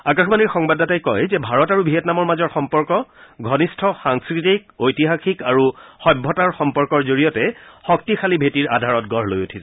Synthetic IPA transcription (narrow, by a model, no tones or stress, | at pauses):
akaxbaniɹxɔŋbadatajkɔjzɛbʱaɹɔtaɹubʱiɦɛtnamɔɹmazɔɹxɔmpɔɹkɔɡʱɔnistʰɔxaŋskɹitik̚ojtiɦaxikaɹuxɔjbʱːɔtaɹxɔmpɔɹkɔɹzoɹijɔtɛxɔk̚tixʰalibʱetiɹadʱaɹɔt̚ɡɔɹlojotʰis